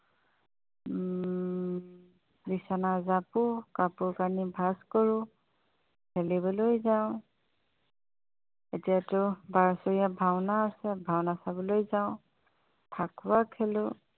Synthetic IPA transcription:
disanazapʊkapʊɹkanibʱaskɔɹʊ | kʰelibɔlojzaʊ̃ | etijatʊbaɹɔsɔɹijabʱawnaːsɛbʱawnasabɔlojzaʊ̃ | tʰakʰʊwakʰɛlʊ

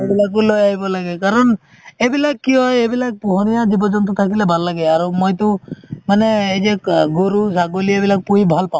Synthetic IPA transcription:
ebilak̬ulojaɦjbɔlaɡekaɾɔn | ebilakːiɦɔjebilak̚puɦɔnijad͡ʒibɔd͡ʒɔnt̪ɔt̪ʰakilebʱalːaɡeaɾumojt̪umaneːd͡ʒeɡoɾusaɡoliebilak̚puɦibʱalpã

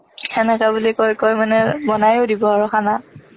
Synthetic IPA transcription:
ɛnɛkabulikojkojmanɛbɔnajodibɔaɹɔxana

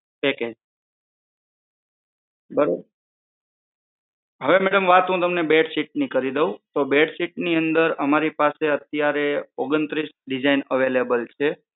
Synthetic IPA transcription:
pɛked͡ʒ | bəɾob | ɦəʋemɛɽəmʋat̪ɦũt̪əmnebeɖsiʈ̚nikəɾid̪eũt̪obeʈsiʈ̚niənd̪əɾəmaɾipaseət̪jaɾeoɡənt̪ɾisɖid͡ʒainəʋelebəlt͡ʃʰe

